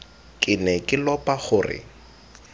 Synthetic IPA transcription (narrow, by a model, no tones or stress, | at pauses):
kʼɪnɛkʼɪlɔpʼaχʊːrɪ̰